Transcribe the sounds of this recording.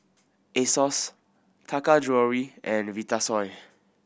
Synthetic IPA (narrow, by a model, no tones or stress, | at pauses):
esɔs | tʰakad͡ʒɹɔɹiɛ̃nvitasɔj